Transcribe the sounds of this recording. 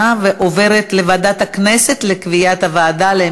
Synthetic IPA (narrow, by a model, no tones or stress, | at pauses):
aveʔove̞ʁet̪levad̪at̪haknese̞t̪lekvijat̪havaːd̪ale